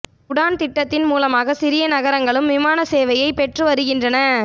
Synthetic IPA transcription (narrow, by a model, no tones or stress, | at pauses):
kʊɽaːnt̪ɪʈːɐt̪ːɪnmuːlɐmaːɣɐsɪɾɪjɐnɐɣɐɾɐŋɡɐɭɯmʋɪmaːnɐseːʋɐjɐɪpɛʈrɯʋɐɾɯɣɪndrɐnɐ